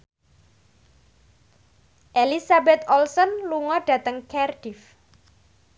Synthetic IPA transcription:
ʔelisabɛt̪̚ɔlsɔnluŋɔɖ̥a̤t̪əŋkɛrɖ̥if

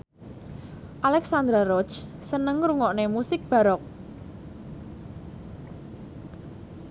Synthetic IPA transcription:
ʔalɛksand̪ɾaɾɔ̥t͡ʃsənəŋruŋɔʔnemusɪk̚b̥a̤ɾɔk̚

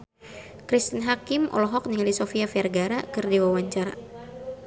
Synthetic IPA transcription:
kɾist̪ənɦakimʔɔ̰lɔɦɔk̚niŋalisofiafiarɡaɾakɨrdiwawaɲt͡ʃaɾa̰

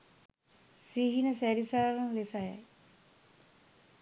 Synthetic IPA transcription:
siɦinəsæɾisaɾɐnlesaja̰

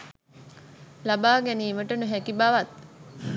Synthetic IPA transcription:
labaːɡæniːməʈənuɦækibaʋat̪̚

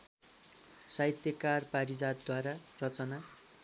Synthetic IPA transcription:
sajt̪jʌkarpaɾid͡zad̪̚d̪waɾarʌt͡sʌna

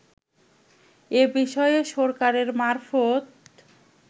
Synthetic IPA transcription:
ebiʃɔeeʃɔɾkaɾeɾmaɾfot̪

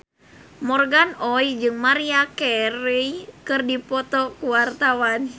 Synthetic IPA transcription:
mɔrɡanɔjd͡ʒɨŋmaɾiakɛɾijkɨrdipɔt̪ɔkuwart̪awan

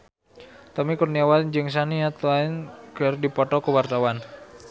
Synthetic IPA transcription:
t̪ɔmikurniawand͡ʒɨŋs̬aniat̪uainkərdipɔt̪ɔkəwart̪awan

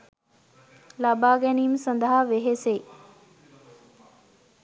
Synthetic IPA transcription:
laːbaːɡenimsə̃nd̪aɦaʋeɦese

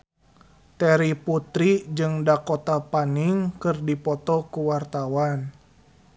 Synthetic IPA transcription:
t̪ɛɾiput̪ɾid͡ʒɨŋdakɔt̪apaniŋkɨrdipɔt̪ɔkuwart̪awan

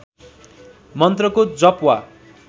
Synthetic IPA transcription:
mʌnt̪rʌkod͡zʌpwa

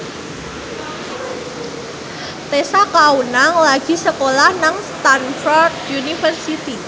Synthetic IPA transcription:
t̪esakaunaŋlaɡ̥i̤səkolahnaŋst̪anfɔrd̪junifərsit̪i

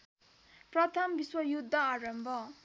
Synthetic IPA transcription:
prʌt̪ʰʌmbiswʌjud̪ʱːaaɾʌmbʱʌ

